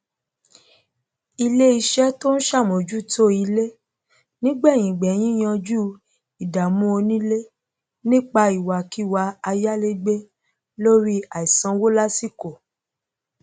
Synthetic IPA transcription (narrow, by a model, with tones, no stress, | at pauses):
i˧le˦i˧ʃɛ˦to˦ñ̩˦ʃa˦˨mõ˨d͡ʒu˦˨to˦i˧le˦ | nĩ˦ɡ͡bɛ˦˨j̃ĩ˨ɡ͡bɛ˨˦j̃ĩ˦j̃ã˧d͡ʒu˦ | i˨da˨mũ˦o˧nĩ˦le˦ | nĩ˦k͡pa˧i˨wa˨ki˨˦wa˧a˧ja˦le˦ɡ͡be˦ | lo˦ɾi˦a˨i˨sã˧˦wo˦la˦si˦ko˨